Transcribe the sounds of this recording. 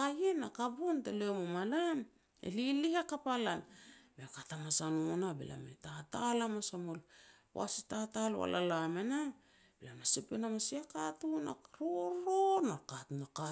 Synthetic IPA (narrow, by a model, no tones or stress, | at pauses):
kajenakabuntelemomalan | ḛlilihakapalanbekatamasanuonabḛlʔa̰metatalamasamolpw̰a̰sitatalo̰a̰la̰lamena | bilamasipenamasiakatuna̰ɾoɾonakatnaka